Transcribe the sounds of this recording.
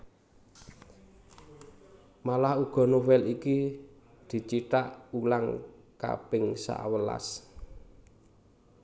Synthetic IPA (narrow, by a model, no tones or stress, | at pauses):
malahuɡ̥ɔ̤nowɛliki | d̪̥i̤t͡ʃiʈaʔulaŋka̰pɪŋsa̰ʔwəla̰s